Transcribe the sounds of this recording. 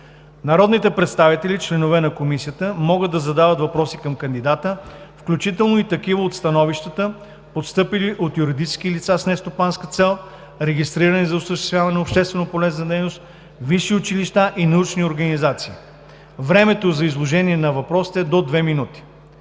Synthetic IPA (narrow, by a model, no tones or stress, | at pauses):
nɐɾɔd̪nit̪ɛpɾɛt̪st̪avit̪ɛlit͡ʃlɛnovɛnɐkomisijət̪əmɔɡəd̪ːɐzɐd̪avət̪vɐpɾɔsikɐmkɐnd̪id̪at̪əfklʲut͡ʃit̪ɛlˠnoit̪ɐkivəot̪st̪ɐnɔviʃt̪ət̪ə | pot̪st̪ɤpiliʔot̪juɾid̪it͡ʃskilit̪sasnɛst̪opanskət̪sɛlˠ | ɾɛɡʲist̪ɾiɾənizɐosəʃ̬t̪ɛst̪vʲjavɐnɛopʃt̪ɛst̪vɛnopolɛznɐd̪ɛjnost̪ | viʃiʊt͡ʃiliʃt̪aʔinɐut͡ʃnioɾɡənizat̪siː | vɾɛmɛt̪ozɐizlˠoʒɛniɛnɐvɐpɾɔsi̥t̪ɛd̪od̪vɛminut̪i̥